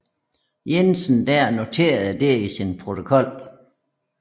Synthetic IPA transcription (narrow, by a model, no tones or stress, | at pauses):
jensn̩d̥æɐ̰no̝t͡sʰe̝̰ːɐð̩ˠd̥e̝isinpʰʁo̝t͡sʰo̝kʰɒ̽l̰